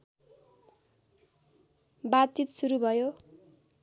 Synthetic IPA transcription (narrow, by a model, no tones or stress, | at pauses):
bat͡sit̪suɾubʱʌjo